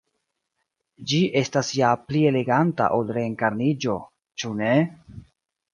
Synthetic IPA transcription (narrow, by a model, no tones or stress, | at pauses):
d͡ʒiʔe̞stasjaplie̞le̞ɡanta̰ʔolɾeːŋkaɾnid͡ʒo̞ | t͡ʃune̞